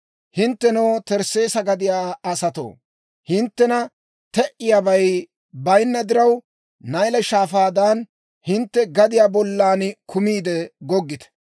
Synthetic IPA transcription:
hɪnt̪ːɛnowt̪ɛɾse̞ːsɐɡɐd̪ɪjaːɐsɐt̪o̰ː | hɪnt̪ːɛnɐ | t̪ɛʔɪjaːbɐj | bɐjnːɐd̪ɪɾɐw | nɐjlɛʃaːfaːd̪aːn | hɪnt̪ːɛɡɐd̪ɪjaːbɔlːaːnkʰʊmiːd̪ɛɡɔɡːɪt̪ɛ̥

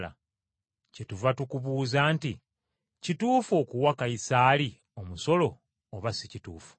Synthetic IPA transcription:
a̰ | cetuvatukuβuːzaːnti | cituːfo̞ːkuwakaisaːli | o̞muso̞lo̞ː | βasicituːfu̥

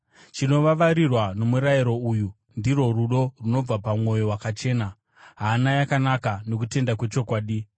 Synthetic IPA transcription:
t͡ʃino̞ʋaʋaɾirwano̞muɾaiɾo̞uju | ndiro̞ruɗo̞runo̞b͡vapamŋo̞jo̞wakat͡ʃe̞ːna | ɦaːnajakanakano̞k̬ute̞ndakwe̞t͡ʃo̞kwaːɗi

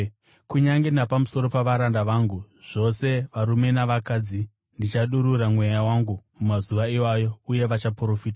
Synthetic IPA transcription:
kuɲaŋɡenapamuso̞ɾo̞paʋaɾandaʋaːŋɡu | ʐ̥o̞se̞ʋaɾume̞naʋakad͡zi | ndit͡ʃaɗuɾuɾamwe̞jawaŋɡumumazuʋaiwajo̞uje̞ʋat͡ʃapro̞fiːta

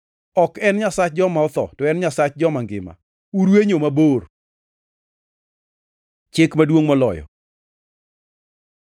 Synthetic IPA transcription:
ɔkɛnɲasat͡ʃ̚d͡ʒɔmaɔt̪ɔ̰tɔɛnɲasat͡ʃd͡ʒɔmaŋɡɪ̰ma̰ | uɾweɲomabor | t͡ʃɪkmadwoŋmɔlɔ̰jɔ̰

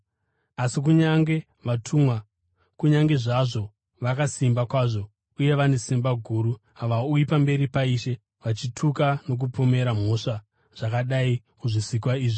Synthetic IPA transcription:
asik̬uɲaŋɡe̞ | ʋatʰumwa | kuɲaŋɡe̞ʐaʐo̞ | ʋakasimbakwaʐo̞ | uje̞ʋane̞simbaɡʱuːɾu | aʋauipambe̞ɾipaiʃe̞ | ʋat͡ʃitʰukano̞k̬upome̞ɾam̤o̞ʂa | ʐ̥akaɗai | muʐisikwaiːʐi

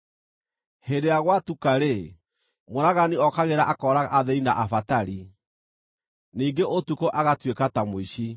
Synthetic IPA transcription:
hedejaɣwatukaɾe | moɾaɣaniɔkaɣeɾaʔakɔːɾaɣa̰ʔaðeinaʔafataɾi | niːŋɡeʔotukoʔaɣatwekatamoiɕi

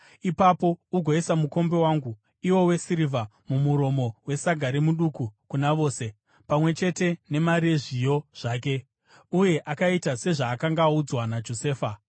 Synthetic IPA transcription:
ipapo̞uɡʱo̞isamuko̞mbewaːŋɡu | iwo̞we̞siɾiva | mumuɾo̞mo̞we̞saɡʱaɾemuɗukukunaʋo̞ːse̞ | pamwe̞t͡ʃe̞te̞ne̞maɾieʐijo̞ʐ̥aːk̬e̞ | uje̞ʔakaitase̞ʐaːkaŋɡaud͡zwanad͡ʒo̞se̞ːfa

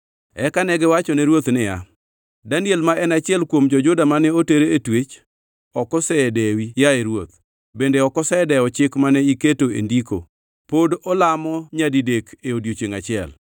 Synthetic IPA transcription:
ɛkanɛɡɛwat͡ʃɔnɛɾwot̪nɪja̰ | danjelmaʔɛnat͡ʃɪɛlkwomd͡ʒɔd͡ʒʊdamanɛoteɾeetwet͡ʃ | ɔkɔsɛdewijaeɾwot̪̚ | bendeɔkɔsɛdɛɔt͡ʃɪkmanɛiketoḛndiko̰ | podɔlamɔɲadidekeodjot͡ʃeŋat͡ʃɪɛ̰l

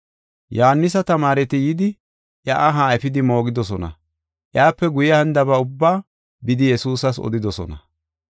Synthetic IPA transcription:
jɔhanːɪs̬ɐt̪ɐmaːɾɛt̪ɪjɪd̪ɪ | ʔjɐʔɐɦaːɛfɪd̪ɪmo̞ːɡɪd̪ɔsɔnɐ̰ | ʔjaːpːɛɡʊjɐhɐnd̪ɐβɐʊbːaː | bɪd̪ɪjɛsuːsɐsɔ̰d̪ɪd̪ɔsɔ̰nɐ̰

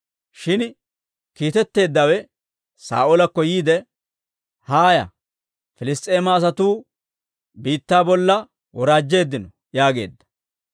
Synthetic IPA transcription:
ʃɪn | kiːt̪ɛt̪ːe̞ːd̪ːɐwɛ | sa̰ːʔolɐkːɔjiːd̪ɛ | haːjɐ̰ | fɪlɪst̪ʼe̞ːmɐːs̬ɐt̪uː | biːt̪ːaːbɔlːɐ | wɔɾaːd͡ʒːe̞ːd̪ːɪnɔ | jaːɡe̞̰ːd̪ːɐ̥

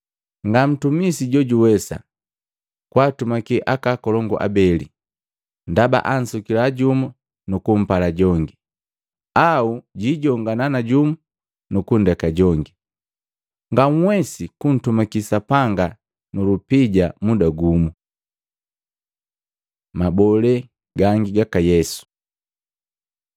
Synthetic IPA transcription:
ŋɡam̩tumisiɟɔɟuwɛsa̰ | kwaːtumakiʔakakɔlɔŋɡɔ̰ʔa̰bɛlḭ | ndaba̰ʔan̩sukilaɟumu | nukum̩palaɟɔŋɡi | auɟiɟɔŋɡananaɟumu | nukundakaɟɔŋɡi | ŋɡaŋ̩wɛsikun̩tumakisapaŋɡa | nulupiɟamudaɡumu | mabɔlɛ | ɡaŋɡiɡakajɛsu̥

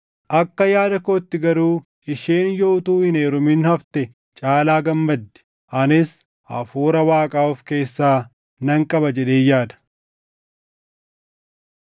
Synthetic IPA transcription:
ʔɐkːɐjaːd̪ɐkoːt̪ːɪɡɐɾuː | ɪʃeːnjoːʊt̪uːhɪneːɾʊmɪnhɐft̪ɛ | t͡ʃʼaːlaːɡɐmːɐd̪ːɛ̥ | ʔɐnɪs | ʔɐ̰fuːɾɐwaːkʼaːʊfke̞ːsːaː | nɐŋkʼɐbɐd͡ʒɛᶑe̞ːjaːd̪ɐ̥

